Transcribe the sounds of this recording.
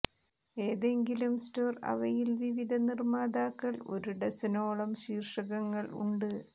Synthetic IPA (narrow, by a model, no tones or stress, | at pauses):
e̞ːðe̞ŋɡilumstoːrɐ̰ʋɐjilʋiʋid̪ʱɐnirmaːd̪aːkːɐɭo̞̰ɾuɽesɐno̞ːɭɐmɕiːrʂɐɣɐŋːɐɭṵɳɖɨ